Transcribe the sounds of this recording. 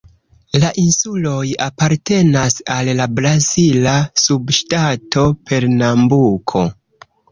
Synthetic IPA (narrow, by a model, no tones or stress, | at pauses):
laʔinsulo̞japaɾte̞nasalːabɾazilasubʃtatʰo̞pe̞ɾnambukʰo̞̰